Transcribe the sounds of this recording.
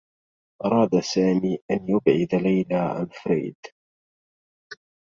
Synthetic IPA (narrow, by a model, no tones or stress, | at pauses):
ʔɑɾˤɑːd̪asaːmiːʔanjʊbʕɪd̪alajlaːʕa̰nfɾḭːd̪